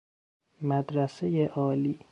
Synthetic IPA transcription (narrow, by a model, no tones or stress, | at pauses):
mæd̪ɾæsejeʔɒːliː